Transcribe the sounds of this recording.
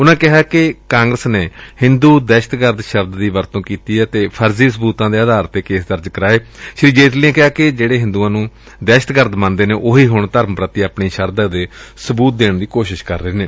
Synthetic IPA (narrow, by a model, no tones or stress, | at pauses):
ʊnãːkɪɦaːkɪkãːŋɡɾəsneːhɪ̃nd̪uːd̪ɛːʃət̪ɡəɾd̪ʃəbd̪ːiːʋəɾt̪õːkiːt̪iːɛːt̪eːpʰəɾziːsəbuːt̪ãːd̪eːəd̪aːɾt̪eːkeːsd̪əɾd͡ʒkəɾaːeːʃɾiːd͡ʒeːt̪liːãːkɪɦaːkɪd͡ʒeːɽeːɦɪ̃nd̪uːãːnũː | d̪ɛːʃə̥t̪ɡəɾd̪mãːnd̪eːneːʔoːɦiːɦʊɳt̪əɾmpɾət̪iːaːpɳiːʃəɾd̪aːd̪eːsəbuːt̪̚d̪eːɳd̪iːkoːʃɪʃkəɾːəeːneː